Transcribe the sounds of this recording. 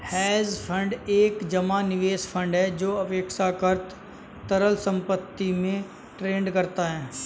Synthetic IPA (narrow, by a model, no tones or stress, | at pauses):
hɛːzpʰə̃ɳɖeːkd͡ʒɐmanɪʋeːspʰə̃ɳɖɦɛd͡ʒoːɐpeːkʃakəɾt̪ | t̪ɐɾəlsə̃mpət̪ːimẽ | ʈɾeːɳɖkɐɾt̪aɦɛː